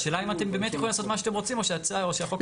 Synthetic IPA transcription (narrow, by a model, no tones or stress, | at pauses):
ʃelaimate̞mbe̞ːmet̪jexolilaso̞t̪maʃateʁo̞t͡simo̞ʃejat͡saoʃejaχok